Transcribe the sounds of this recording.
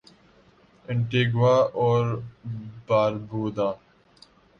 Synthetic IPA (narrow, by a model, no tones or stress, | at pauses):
ɪ̃ɳʈeːɡʋaːɔːɾ | baːɾbuːd̪aː